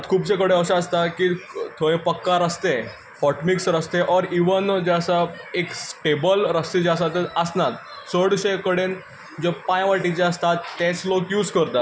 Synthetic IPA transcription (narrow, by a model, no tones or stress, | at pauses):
t̪kʰuːbt͡sekəɽeəɕãəst̪akit̪ʰoẽpəkːaɾəst̪e | fɔʈmiksɾəst̪eʔɔɾiʋənd͡ʑeəsaekssʈebəlɾəst̪ed͡ʑasat̪eəsnat̪ | səɽɕekəɽen | d͡zepãjʋaʈit͡ɕeəst̪at̪ːẽt͡slokjuːd͡zkəɾt̪a